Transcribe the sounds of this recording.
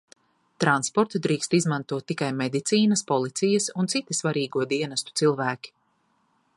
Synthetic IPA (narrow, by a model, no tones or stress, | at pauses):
t̪ɾanspɔɾt̪ud̪ɾiːkst̪izmãnt̪uɔt̪ːikajmɛd̪it̪siːnɐspɔlˠit̪sijɐsunt̪sit̪isvaɾiːɡuɔd̪iɛnast̪u̥t̪silˠvæːkʲi̥